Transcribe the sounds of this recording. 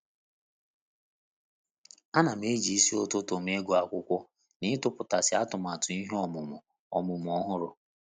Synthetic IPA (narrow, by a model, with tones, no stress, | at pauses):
a˦na˨m̩˦e˦d͡ʒi˨i˦si˦o˦to˦to˨m˦e˦ɡʊ˦a˨kʷʊ˦kʷɔ˦ | nɪ˦tʊ˦pʊ˨ta˨sɪ˦a˦tʊ˨m˨a˨tʊ˨i˦ɦɔ˦mʊ˨mʊ˨ | ɔ˨mʊ˨m˨ɔ˦ɦʊ˦ɾʊ˨